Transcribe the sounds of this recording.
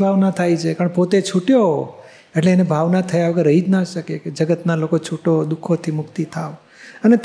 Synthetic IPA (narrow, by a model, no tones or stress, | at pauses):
bʱaʋnat̪ʰajt͡ʃʰepəɳpot̪et͡ʃʰuʈjoɦo | eʈleːnebʱaʋnat̪ʰəjaʋəɡəɾːəɦid͡ʒnaʃəkeked͡ʒəɡət̪nalokot͡ʃʰuʈod̪ukʰot̪ʰimʊkt̪it̪ʰaʋ | ənet̪